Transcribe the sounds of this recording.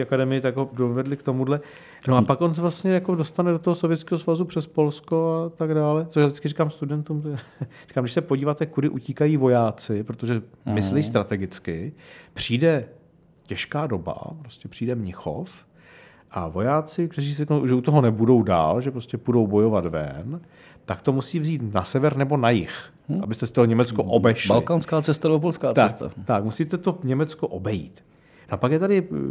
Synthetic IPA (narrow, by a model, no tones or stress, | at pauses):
iakadɛmɪjɪt̪aɡɦodovɛdlɪkt̪o̞mudlɛ | noʔapakʔons̬ɛvlast̪ɲɛjakodo̞st̪anɛdo̞t̪oɦosovjɛtt͡skɛɦosvazupr̝̥ɛspo̞lsko̞at̪aɡdaːlɛt͡soʃjadɪt͡skɪrikaːmst̪udɛnt̪uːmt̪ri̥kaːmdɪʃsɛpoɟiːvaːt̪ɛkudɪʔuciːkajiːvo̞jaːt͡sɪpɾot̪oʒɛmɪslɛjist̪ɾat̪ɛɡɪt͡skɪpr̝̥iːdɛ | cɛʃkaːdo̞ba̰pɾoscɛpr̥iːdɛmɲɪxo̰f | ʔavo̞jaːt͡sɪk̚t̪ɛriːrɛknowʒɛut̪oɦonɛbudo̞wda̰ːlʒɛpɾoscɛpudo̞wbo̞jo̞vat̪vɛ̰n | t̪akt̪o̞musiːvziːt̪nasɛvɛɾnɛbo̞najɪx | ʔabɪst̪ɛst̪oɦoɲɛmɛt͡skoʔobɛʃlalɪkaːnskaːt͡sɛst̪anɛbopolskaːt͡st̪askt̪a̰t̪akmusit̪ɛt̪o̞ɲɛmɛt͡skoʔo̞bɛjḭːt̪ | nʔpakjɛt̪adɪ